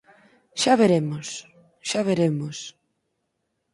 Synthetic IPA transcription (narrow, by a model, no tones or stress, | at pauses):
ʃaβeɾemos | ʃaβ̞eɾemos